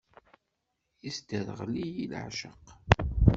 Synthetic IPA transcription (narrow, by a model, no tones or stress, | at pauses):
isd̪əðʁlijil̰ʕʃəq